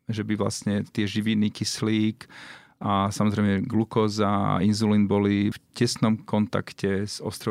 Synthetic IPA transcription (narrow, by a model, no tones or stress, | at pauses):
ʒɛbiʋla̰sɲɛt̪ɪɛʒiʋinːiːkisliːk | ʔasamɔzɾɛɪmɛɡlukɔːzaa̰inzuliːnbɔlifcɛsnɔmkɔnt̪a̰kcɛz̥ɔst̪ɾɔ